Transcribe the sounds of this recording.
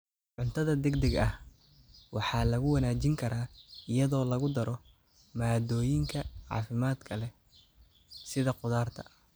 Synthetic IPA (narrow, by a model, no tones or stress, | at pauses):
ʕʊnt̪ʰɐðɐd̪ɛɡd̪ɛɡɐh | wɑħɑːlɐɣʊwɐnaːt͡ʃɪŋkʰɐɾaːɪjɐðɔːlɐɣʊd̪ɐɾɔ | maːd̪ɔːjɪŋkʰɐʕɑ̰ːfɪmaːd̪kʰɐlɛ | sɪðɐqʊðaːrt̪ʰɐ̰ɐ